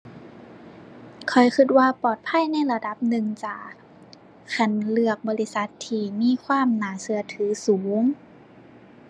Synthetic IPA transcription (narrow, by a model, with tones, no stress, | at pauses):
kʰɔ˨˩jkʰɯ˧t̪̚waː˧pɔː˨˩t̪̚pʰa˧˥˨jna˧˥˨jla˧da˧˦p̚nɯ˨˩ŋt͡ɕaː˨˩ | kʰa˧˩nlɯ˧˩ək̚bɔː˧˦li˧˥sa˧˦t̪ʰːiː˧˩miː˧˥˨kʰwaː˧˥˨mnaː˨˩˦sɯ˧˩ɐt̪ʰɯː˨˩˦suː˩˦ŋ